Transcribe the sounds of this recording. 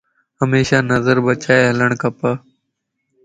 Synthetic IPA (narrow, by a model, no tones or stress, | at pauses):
ɦəmeːʃaːnəzəɾbət͡ʃaːeːɦələɳ̃kəpaː